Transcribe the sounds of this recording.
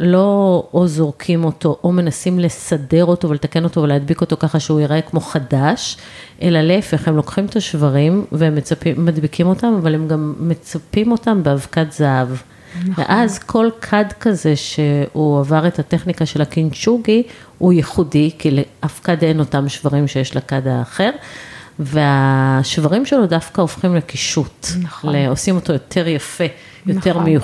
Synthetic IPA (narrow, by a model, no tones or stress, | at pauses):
lo̞ozo̞ʁkʰimo̞to̞ʔome̞nasimle̞sade̞ʁo̞to̞velet̪ake̞no̞to̞velead̪biko̞to̞kaχaʃeujeʁe̞kmo̞χadaʃ | ʔe̞laleefeχhemlo̞kχimet̪aʃvaʁimveemːet͡sapiːadbikimo̞tamavalemɡamːe̞t͡sapimo̞tambeavkatzaav | vḛʔazkʰo̞lkʰadkaze̞ʃe̞uavaʁethate̞χnikaʃe̞lakint͡ʃuɡi | hujeχudikileʔafkade̞no̞tamʃvaʁimʃe̞jeʃlakadaːχe̞ʁve̞aʃvaʁimʃe̞lodafkaofχimlekiʃutleo̞simo̞to̞jo̞tʰe̞ʁjafe̞ | jjo̞te̞ʁmeju